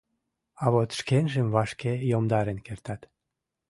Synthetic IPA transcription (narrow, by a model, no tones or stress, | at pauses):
ɑβot̪ʃkenʒemvɑʃkejomd̪ɑɾenkert̪ɑt̪